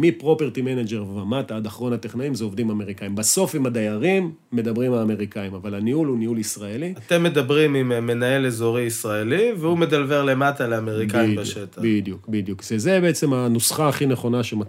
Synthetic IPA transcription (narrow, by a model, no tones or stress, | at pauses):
mipʁo̞peʁt̪imenad͡ʒeʁvamat̪aad̪aχʁo̞nhat̪eχnaimzeo̞vdimame̞ʁikaimbaso̞fimad̪ajaʁimː | e̞d̪abʁimalame̞ʁikaimavalaniulunihulisʁaeliat̪emːed̪abʁimimːenaelezoʁiisʁaelivehumed̪alveʁle̞mat̪aleameʁikajibaʃet̪abid̪jukbid̪jukʃezebeet͡se̞manusχaːχineχo̞naʃema